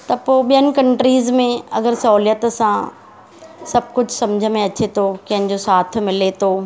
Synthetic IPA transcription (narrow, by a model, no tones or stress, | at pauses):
t̪ɐpoːɓijənɪ̆kɐ̃ɳʈɾiːzmẽɐɡəɾsɐɦljət̪sã | sɐb̚ʱkʊd͡ʑʱʊsɐ̃md͡ʑʱəmẽɐt͡ɕet̪ʰokɐ̃ɦɪ̃ɲ̆d͡ʑosaːt̪̆ʰmɪlet̪ʰoː